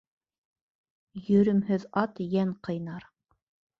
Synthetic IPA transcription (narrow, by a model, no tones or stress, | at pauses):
jɵ̆ɾɵ̆mhɘðɑt̪jæɴqɤ̆jnɑɾ